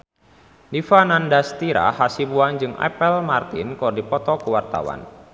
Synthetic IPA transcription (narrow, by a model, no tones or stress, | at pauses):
difanandast̪iɾa̰hasibuand͡ʒɨŋa̰pəlmart̪inkɔrdipɔt̪ɔkəwart̪a̰wa̰n